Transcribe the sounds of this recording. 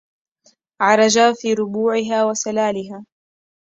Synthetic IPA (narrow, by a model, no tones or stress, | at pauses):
ʕɑɾˤɑd͡ʒaːfiːɾʊbuːʕɪɦaːwasalaːlɪɦaː